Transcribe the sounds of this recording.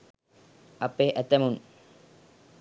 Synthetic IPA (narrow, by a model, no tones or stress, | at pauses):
ɐpeːʔæt̪æmun